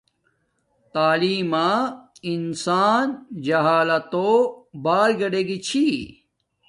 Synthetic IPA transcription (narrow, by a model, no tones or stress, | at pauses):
t̪aːliːmaːinsaːnd͡ʑɐɦaːlɐt̪oːbaːlɡɐɖeɡit͡ɕʰi